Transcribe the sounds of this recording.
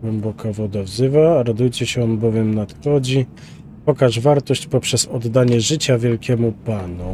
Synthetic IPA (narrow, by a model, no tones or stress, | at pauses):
ɡwɛmbɔkavɔd̪avzɘvaɾad̪ujt͡ɕɛɕɛɔnbɔvʲjɛmnat̪xɔd͡ʑi | pɔkaʐvaɾt̪ɔɕt͡ɕpɔpʂɛzɔd̪ːaɲɛʐɘt͡ɕavʲjɛlkʲɛmupanu